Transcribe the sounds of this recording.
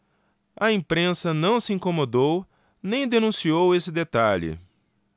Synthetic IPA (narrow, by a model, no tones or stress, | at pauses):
ɐĩpɾẽsɐnɐ̃w̃sɪĩkomod̪ow | nẽj̃d̪enũsiowesɪd̪et̪aʎɪ̰